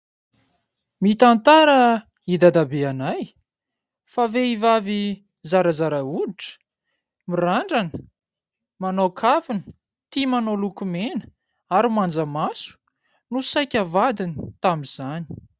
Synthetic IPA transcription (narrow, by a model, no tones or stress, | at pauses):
mit̪ant̪aɾə | id̪ad̪abeanaj | faveivavi | zaɾazaɾauiʈ͡ʂə̥ | miraɳɖ͡ʐanə̥ | manokʰafinə̥ | t̪imanolukumenə̥ | aɾimand͡zəmasu̥ | nusajkʲəvad̪ini̥t̪amiz̥ani̥